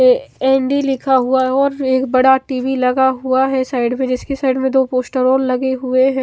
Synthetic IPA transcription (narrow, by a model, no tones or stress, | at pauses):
ɛːɳɖilɪkʰaɦuaɦɛɔːɾeːkbɐɽaʈiːʋilɐɡaɦuaɦɛsaːɪɖmẽd͡ʒɪskesaːɪɖmẽd̪oːpoːsʈəɾɔːlːɐɡeɦʊeɦɛ̃